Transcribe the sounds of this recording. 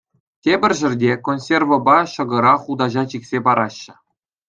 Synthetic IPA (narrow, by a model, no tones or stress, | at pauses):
tʲebʲɘ̆rʲʒɘ̆rʲdʲekonʲsʲervŏbɑɕɤ̆ɡɤ̆ɾɑχud̪ɑʑɑt͡ɕiksʲepɑɾɑɕːɘ̆